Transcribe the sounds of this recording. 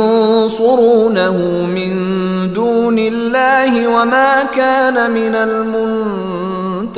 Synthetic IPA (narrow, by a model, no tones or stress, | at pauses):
sʊɾuːnahʊ | mɪn | d̪uːnɪlːaːhɪwamaːkaːnamɪnalmʊn | t̪